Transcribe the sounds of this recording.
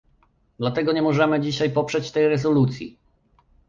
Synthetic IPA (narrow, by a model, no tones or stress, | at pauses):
d̪lat̪ɛɡɔɲɛmɔʐɛmɘd͡ʑiɕajpɔpʂɛt͡ɕt̪ɛjɾɛzɔlut̪sʲjḭ